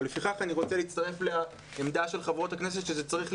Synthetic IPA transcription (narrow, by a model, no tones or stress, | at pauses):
lefiχaχaniʁo̞t͡seliːt͡st̪aʁe̞flea | emd̪aʃe̞lχavʁo̞t̪aknes̬e̞t̪ʃezet͡saʁiχ